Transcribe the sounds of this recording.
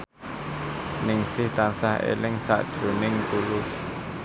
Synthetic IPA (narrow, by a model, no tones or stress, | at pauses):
nɪŋsɪht̪ansahḛlɪŋsa̰ʔd̪̥ɾunɪŋt̪ulʊs